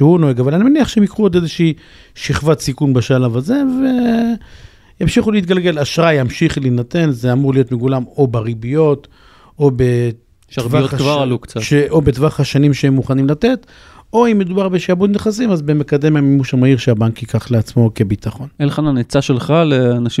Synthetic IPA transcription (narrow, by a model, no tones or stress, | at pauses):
ʃehunoeɡavalanimeniaχʃeemikʁuod̪ezeʃei | ʃiχvat̪sikunbeʃalavaze̞ve̞ | jamʃiχuleit̪ɡalɡe̞laʃʁajamʃiχlinate̞nzeamuʁlijo̞t̪meɡulamo̞baʁibijo̞t̪ | obe̞ | ʃaʁviaotakvaʁalukt͡saʃeʔobetvaχhaʃanimʃehemːuχanimlate̞t̪ | o̞imːe̞d̪ubaʁbeʃiabut̪neχasimazbemekad̪e̞memimuʃamaiʁʃeabankjikaχleat͡smo̞ke̞bit̪aχo̞nelχananet͡saʃelχaleanaʃi